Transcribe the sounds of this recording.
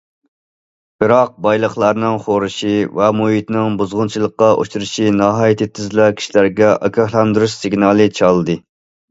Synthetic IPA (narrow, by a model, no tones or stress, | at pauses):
b̥ɨɾɑq̚bɑjlˠəχlˠɑɾnɨŋχoɾɨʃivɛmuɦit̪nɪŋbuzʁʊnt͡ʃʰilˠəqːɑʔo̰ʃuɾɨʃinɑɦɑːjit̪ʰɪt̪ʰːɪzlækʲʰi̥ʃilæɾɡʲɛʔɑkʰʲɑhlɑnd̪ɾusiɡnɑlˠɨt͡ʃʰɑlˠɨd̪ɨ